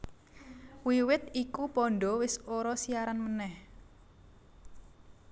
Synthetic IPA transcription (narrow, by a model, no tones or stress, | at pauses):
wiwɪt̪ikupɔɳɖɔwɪsoɾɔsiaɾanmənɛh